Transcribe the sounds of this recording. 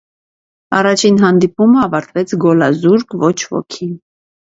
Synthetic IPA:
ɑ̰rɑt͡ʃʰinɦɑnd̪ipuməɑvɑɾt̪vɛt͡sʰɡɔlɑzuɾkvɔt͡ʃʰvɔ̰kʰi

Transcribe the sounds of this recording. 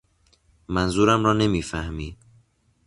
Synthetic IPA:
mænzuːɾæmɾɒːne̞miːfæhmiː

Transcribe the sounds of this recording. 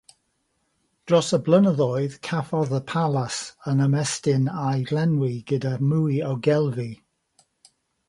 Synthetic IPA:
d̥rɔsəblənəðɔɨð̥kʰafɔðəpʰalˠasənəmɛstɪnajvlɛnwiɡ̥ədamuiɔɡɛlˠvi

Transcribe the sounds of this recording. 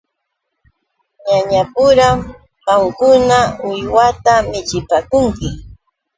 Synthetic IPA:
ɲaɲapʊɾam | ɢɑŋkʊnaʊjwat̪amɪt͡ʃɪpakʊŋkɪ

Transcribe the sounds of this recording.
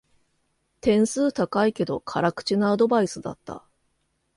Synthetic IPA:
t̪ẽ̞ɰ̃sɨːt̪akaike̞d̪o̞kʰaɾakɯ̟̥t͡ɕinoːd̪o̞baisɨd̪a̰t̪ːa̰

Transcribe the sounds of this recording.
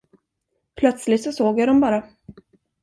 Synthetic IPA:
pʰlœt̪slɪt̪sɔsoːɡjaɖɔmbɑːɾa

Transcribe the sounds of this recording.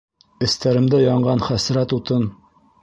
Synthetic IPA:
ɘ̆st̪æɾɘ̆md̪æjɒɴɢɑnχæsɾæt̪ut̪ɤn

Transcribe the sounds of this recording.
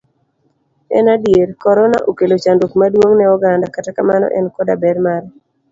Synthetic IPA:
ɛ̰nadjeɾkɔɾɔna̰ʔokelot͡ʃandokmadwoŋnɛɔɡandakatakamanɔ̰ʔɛnkɔdabɛɾmaɾ

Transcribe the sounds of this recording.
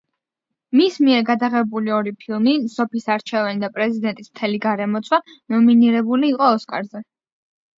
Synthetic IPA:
mismiɛɾɡad̪aʁɛbuliɔɾipʰilˠmisɔpʰisaɾt͡ʃʰɛvɛnid̪apʼɾɛzid̪ɛnt̪ʼismt̪ʰɛliɡaɾɛmɔt̪sʰʼwanɔminiɾɛbuliːqʼɔːskʼa̰ɾzɛ

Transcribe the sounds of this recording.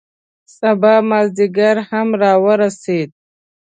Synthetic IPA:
sabɑːmazd̪iɡaɾhamɾɑwəɾased̪̚

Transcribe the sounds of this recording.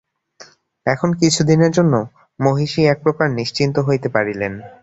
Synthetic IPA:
ɛkʰonkit͡ɕʰud̪ineɾd͡ʑonːo | moɦiʃiɛk̚pɾokaɾniʃt͡ɕint̪oɦojt̪epaɾilen

